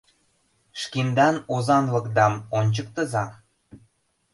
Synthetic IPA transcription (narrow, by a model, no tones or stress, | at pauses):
ʃkind̪ɑnozɑnlɤ̆kd̪ɑmonʲt͡ɕək̚t̪ə̆zɑ